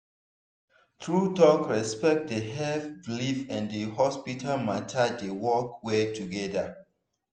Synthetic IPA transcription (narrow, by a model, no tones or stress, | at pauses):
tɹutɔkɹɛspɛk̚t̚dəɦɛfblifɛ̃ndəɦɔspitʰalmatʰadewɔkwɛtuɡɛda